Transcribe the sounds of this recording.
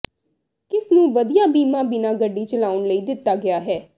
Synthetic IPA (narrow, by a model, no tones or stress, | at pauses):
kɪsnũːʋəd̪ijaːbiːmãːbɪnãːɡəɖːiːt͡ʃəlaːʊɳləiːd̪ɪt̪ːaːɡɪaːɦɛː